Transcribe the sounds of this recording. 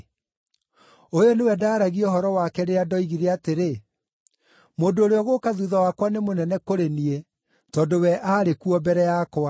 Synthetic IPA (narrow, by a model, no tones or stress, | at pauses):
ojɔnewɛdaːɾaɣiɔɦɔɾɔwakɛɾeadɔiɣiɾeateɾe | moːndoːɾeɔɣokaðuðawakwanemonɛnɛkoɾenie | tɔːdowɛʔaːɾekuɔbɛɾɛjakwa